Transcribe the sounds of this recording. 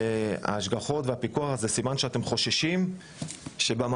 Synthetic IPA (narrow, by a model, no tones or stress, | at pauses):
a̰ːʃɡaχo̞tveapikuaχazesimanʃeat̪e̞mχo̞ʃaʃim | ʃe̞bam